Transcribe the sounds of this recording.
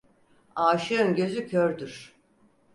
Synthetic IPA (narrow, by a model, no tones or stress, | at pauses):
aːʃɯønɟø̞zycʰøɾd̪yɾ̥